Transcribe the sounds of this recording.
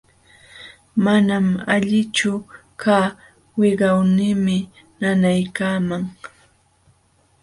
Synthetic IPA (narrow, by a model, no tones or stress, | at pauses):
manamaʎɪt͡ʃʊkʰaː | wɪɢɑwnɪːmɪ | nanajkaːmaŋ